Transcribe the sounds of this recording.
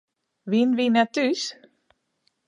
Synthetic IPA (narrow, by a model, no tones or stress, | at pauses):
vɪnvɪnɛt̪ːʉːs